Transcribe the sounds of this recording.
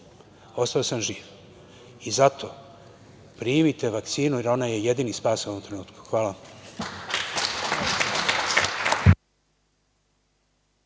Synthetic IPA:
o̞st̪aosamʒiːʋ | izat̪ʰo | pɾiːmit̪e̞ʋakt̪siːnuiɾo̞naje̞je̞d̪inispaːsuoomt̪ɾe̞nuːt̪ku̥xʋaːla

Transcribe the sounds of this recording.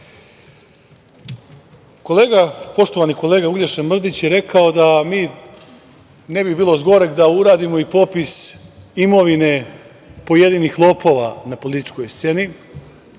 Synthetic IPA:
ko̞le̞ːɡapo̞ʃt̪oaniko̞leːɡauʎʲeʃemr̩d̪it͡ɕjeɾe̞kao̞d̪amiː | ne̞bibiːlˠo̞zɡo̞ɾeɡd̪auɾaːd̪imo̞ipo̞pisimo̞ʋine̞ | po̞je̞d̪iːnixlˠo̞po̞ːʋa̰napo̞lit̪i̥t͡ʃko̞jst̪se̞ni

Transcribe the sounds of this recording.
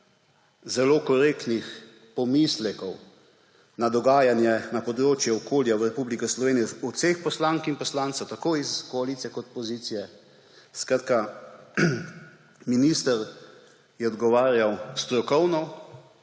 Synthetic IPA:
zɛloːkɔɾeːkt̪nix | pɔmislɛkɔw | nad̪ɔɡaːjanjɛnapɔd̪ɾoːt͡ʃjɛɔkʰoːljawɾɛpublikɔslɔʋeːnijɛɔsexpɔslaːŋkinpɔslaːntsɐwt̪akoːiskɔalit̪sijɛkɔt̪̚pɔziːt̪sijɛ | skɾaːt̪ka | minist̪əɾ | jɛɔd̪ɡɔʋaːɾjawst̪ɾɔkɔwnɔ

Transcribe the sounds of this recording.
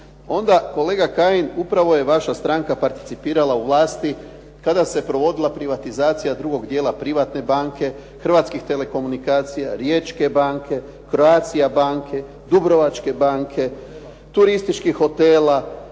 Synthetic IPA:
o̞nd̪ako̞le̞ːɡakaːjinupɾaʋo̞je̞ʋaʃast̪ɾaŋkapaɾt̪i̥t̪sipiːɾalauʋlˠaːst̪i | kad̪ase̞pɾo̞ʋo̞d̪ilˠapɾiʋat̪izaːt̪sijad̪ɾuɡo̞ɡd̪je̞ːlapɾiʋat̪ne̞baːŋke̞ | xr̩ʋat̪skixt̪e̞le̞ko̞munikaːt̪sijaɾjet͡ʃke̞baːŋkʰe̞ | kɾo̞aːt̪sijabaːŋkʰe̞ | d̪ubɾo̞ʋat͡ʃke̞baːŋkʰe̞ | t̪uɾist̪it͡ʃkixo̞t̪eːla

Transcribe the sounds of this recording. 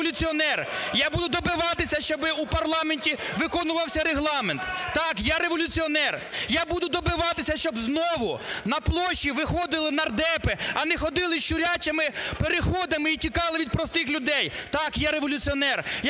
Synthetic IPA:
ɔlʲʊt͡sʲiɔnɛrjabud̪ʊd̪ɔbɪʋɑt̪ɪsʲɐʃt͡ʃɔbɪupɐrlˠɑmenʲtʲiʋɪkɔnʊʋɐwsʲɐɾeɦlˠɑment̪t̪ɑkjaɾeʋɔlʲʊt͡sʲiɔnɛrjabud̪ʊd̪ɔbɪʋɑt̪ɪsʲɐʃt͡ʃɔbznɔʋʊnɐplˠɔʃːiʋɪxɔd̪ɪlˠɪnɐrd̪ɛpeɐnɛxɔd̪ɪlˠɪʃt͡ʃʊɾʲat͡ʃɐmɪpeɾexɔd̪ɪmɪit͡ʃʲikɑlˠɪʋʲid̪̚pɾɔst̪ɪxlʲʊd̪ɛjt̪ɑkjaɾeʋɔlʲʊt͡sʲiɔnɛrj

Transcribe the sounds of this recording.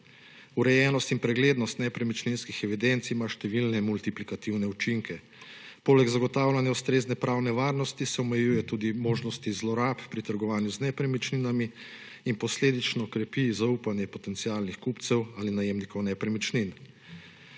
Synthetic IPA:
uɾɛjɛːnɔst̪inpɾɛɡleːd̪nɔst̪nɛpɾɛmit͡ʃninskixɛʋid̪ɛnt̪siimaʃt̪ɛʋilnɛmult̪iplikat̪iwnɛut͡ʃiŋkʰɛ | poːlɛɡzaɡɔt̪aːwlanjaust̪ɾeːznɛpɾaːwnɛʋaːɾnɔst̪isɛɔmɛjuːjɛt̪uːd̪imoːʒnɔst̪izlɔɾaːppɾit̪əɾɡɔʋaːnjuznɛpɾɛmit͡ʃninami | inpɔsleːd̪it͡ʃnɔkɾɛpizauːpanjɛpɔt̪ɛnt̪siaːlnixkupt̪sɛwalinajemnikɔwnɛpɾɛmit͡ʃnin

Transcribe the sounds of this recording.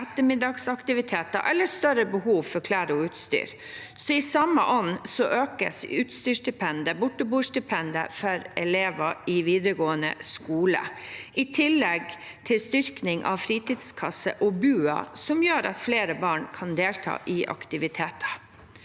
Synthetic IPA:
ɛt̪ːəmɪd̪ɑːɡsɑkt̪ɪʋɪt̪ʰeːt̪ɑʔɛlːəst̪œɾəbəhuːʋfɔɾkʰlæːɾəɔʉːt̪st̪y̰ːɾ | sɔɪsɑmːə̰ʔɔnːsɔʔøːkə̰sʉːt̪st̪yːʂɖɪpʰɛnd̪əbʊʈːəbuːʂdɪpʰɛnd̪ə̰fɔɾɛleːʋɑɪʋiːd̪ɾəɡoːənə̰skuːlə̰ʔɪt̪ʰɪlːɛɡ | t̪ʰɪlst̪ʏɾknɪŋʔɑ̰ʋfɾiːt̪iːd̪skʰɑsə̰ʔɔbʉːɑ̰sɔmjøːɾɑ̰t̪fleːɾəbɑːɳkʰɑnd̪eːlt̪ʰɑ̰ːʔɪʔɑ̰kt̪ɪʋɪt̪ʰeːt̪ʰɑ̥

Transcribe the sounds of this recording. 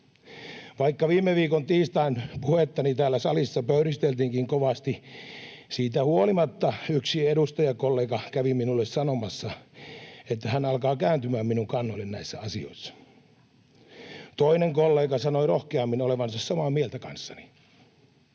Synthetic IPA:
ʋɑikːɑʋiːmːˑeʋiːkont̪iːst̪ɑinpuhet̪ːɑnit̪æːlːæsɑlisːɑpøyrist̪elt̪iːŋkiŋkoʋɑst̪i | siːt̪æhuolimɑt̪ːɑyksiedust̪ɑjɑkolːeːkɑkæʋiminulːessɑnomɑsːɑ | et̪ːæhænɑlkɑːkæːnt̪ymæːmminuŋkɑnːoilːennæisːæɑsio̰isːɑ̥ | t̪oineŋkolːeːkɑsɑnoirohkeɑmːinoleʋɑnsɑssɑmɑːmielt̪ækɑ̰nsːɑni̥

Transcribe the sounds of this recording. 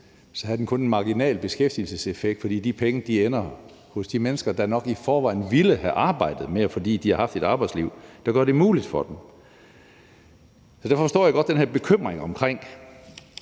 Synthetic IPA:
sɒ̽hæð̩ˠden̩kʰɔ̽ne̝nmɑ̈ɡ̥inɛ̰ːlb̥e̝sɡ̥efd̥ilsəse̝feɡ̥d̥fɒ̽d̥ḭːd̥ipʰeŋəd̥ienɐ | hɔ̽sd̥imenəsɡ̥ɐd̥ænɒ̽ɡ̥ifɒːʋɑ̈ɪ̰n̩ʋiləhæʔɑ̈ːb̥ɑ̈ɪ̰d̥ð̩ˠmeæfɒ̽d̥ḭːd̥ihɑ̈hɑ̈fd̥e̝ɾ̥ɑ̈ːb̥ɑ̈ɪ̥sliʊ̰d̥æɡ̥ɶɐɾ̥e̝muːlid̥fɒ̽d̥em | sɒ̽d̥æɐffɒsd̥ɔ̰ːjaɡ̥ɒ̽d̥ːenheɐb̥e̝kʰøm̰ʁeŋɒ̽mkʰʁeŋ̰

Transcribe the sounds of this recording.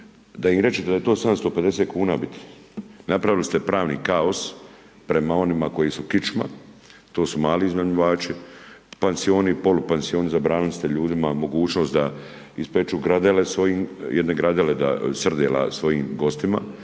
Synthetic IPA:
d̪aimɾe̞t͡ʃet̪ed̪aet̪o̞ːsad̪amst̪o̞pe̞d̪e̞seːt̪̚kuːnaːbit̪ʰi̥ | napɾaʋilist̪e̞pɾaːʋnḭːkao̞s | pɾe̞mao̞nimako̞jisukit͡ʃma̰t̪o̞ːsumaːliːzmaɲuʋaːt͡ʃipansio̞ːnipo̞lupansio̞ːnizabɾaːnɪlist̪eʎuːd̪imamo̞ɡuːt͡ʃno̞ːst̪d̪a | ispet͡ʃuɡɾad̪elesʋo̞jiːmjʔed̪ne̞ɡɾad̪eled̪a̰sr̩d̪eːla̰sʋo̞jiːmɡo̞st̪ima̰

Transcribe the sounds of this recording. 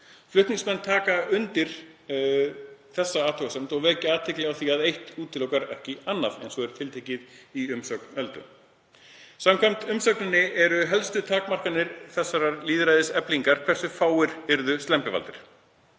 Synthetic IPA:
flʏht̪niŋksmɛnːt̪ʰaːkaʏnt̪ɪɾ̥ | θɛsːaaːt̪ʰɔwkasɛm̥t̪ɔɣvɛːcaaːt̪ʰɪklɪawθiaðejht̪uːt̪ʰɪlɔwkaɾɛhcɪanːavɛ̰jnsɔɣɛɾ̥t̪ʰɪlt̪ʰejcɪðiʏmsœk̚nœlt̪ʏ̰ | samkʰajm̥t̪ʏmsœknɪnːɪɛɾʏɦɛlst̪ʏt̪ʰaːkmar̥kanɪɾ̥θɛsːaɾaɾliːðɾajðɪsɛpliŋkaɾ̥kʰv̥ɛsʏfaːwɪɾɪɾðʏst̪ɛmpɪva̰lt̪ɪɾ̥

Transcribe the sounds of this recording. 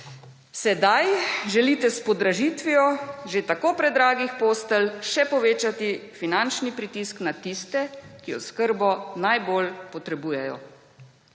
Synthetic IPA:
sɛd̪ajʒɛlit̪ɛspɔd̪ɾaʒiːt̪ʋijɔʒet̪akoːpɾɛd̪ɾaːɡixpoːst̪əlʃɛpɔʋeːt͡ʃat̪ifinant͡ʃnipɾit̪isknat̪ist̪ɛkiɔ̰skəɾbɔnajboːlpɔt̪ɾɛbuːjɛjɔ̰

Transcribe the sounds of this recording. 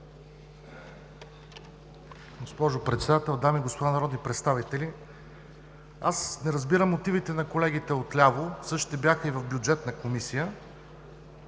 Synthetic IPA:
ɡospɔʒopɾɛt̪sɛd̪at̪ɛlˠd̪amiːɡospod̪anɐɾɔd̪nʲipɾɛt̪st̪avit̪ɛli | asnɛɾɐzbiɾəmːot̪ivit̪ɛnɐkolɛɡ̟it̪ɛot̪lʲavosɤʃt̪ɛbjaxəivɐvbʲjʊd͡ʒɛt̪nəkomisijə

